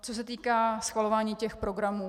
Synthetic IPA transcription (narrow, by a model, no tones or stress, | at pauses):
t͡sos̬ɛt̪iːkaːsxvalo̞vaːɲiːcɛxpɾo̞ɡɾamuː